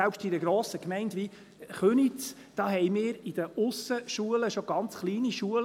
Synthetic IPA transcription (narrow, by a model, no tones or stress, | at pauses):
ɛlpʃtidəɡɾoːsəkmɛɪntʋi | χœnit͡s | d̥ɑːhɛjmɪːɾid̥əʔʊsəʃuələʃoɡ̥ɑnt͡sχliːniʃuəl